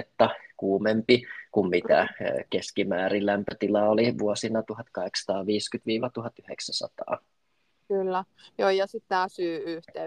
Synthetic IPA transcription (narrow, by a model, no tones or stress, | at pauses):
et̪ːɑkuːmempikummit̪æ̰keskimæːɾillæmpøt̪ilɑoliʋuosinɑt̪uhɑt̪kɑheksɑ̥t̪ɑːʋiːskyt̪ʋiːʋɑt̪uhɑt̪yhḛksæsɑ̰t̪ɑ̰ː | kylːæ | joːjɑsit̪tæːsyːyht̪e